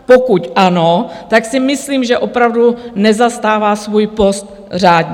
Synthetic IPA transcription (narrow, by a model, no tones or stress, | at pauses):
pokucʔanot̪aksɪmɪsliːmʒɛʔopɾavdunɛzast̪aːvaːsvuːjpo̞st̪ | r̝aːd̪ɲɛ